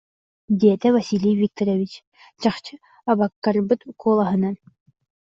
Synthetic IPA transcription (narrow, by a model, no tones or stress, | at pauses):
d̪iɛt̪ɛvɐsʲilʲijvʲik̚t̪ɔɾɔvʲit͡ɕ | t͡ɕaχt͡ɕɯ | abakːarbɯt̪kʰuːlˠaɦɯna